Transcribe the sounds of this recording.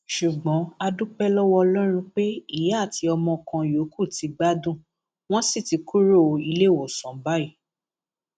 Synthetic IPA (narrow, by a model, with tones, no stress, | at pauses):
ʃu˨ɡ͡bɔ̃˨˦a˧dũ˦k͡pɛ˦lɔ˦wɔ˦ɔ˧lɔ˦ɾ̃ũ˧k͡pe˦i˦˨ja˦˨ti˨˧ɔ˧mɔ̃˧kã˧jo˨˦kʰu˦˨ti˧ɡ͡ba˦dũ˦˨ | w̃ɔ̃˦si˦˨ti˧ku˦ɾo˦˨˧i˧le˦˨wɔ˨sɔ̃˨ba˦i˦˨